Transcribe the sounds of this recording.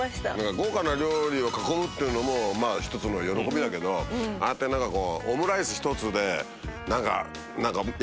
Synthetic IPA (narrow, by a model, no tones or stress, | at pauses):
ɕt̪anãŋkaɡo̞ːkanaɾʲo̞ːɾʲio̞kakomɯ̟t̪ːeiɯ̟no̞mo̞maːçi̥t̪o̞t͡sɨno̞jo̞ɾo̞ko̞bʲid̪ake̞d̪o̞a̰et̪ːe̞nãŋkako̞ːmɯ̟ɾaisɨçi̥t̪o̞t͡sɨd̪e̞ | nãŋka̰ | nãŋka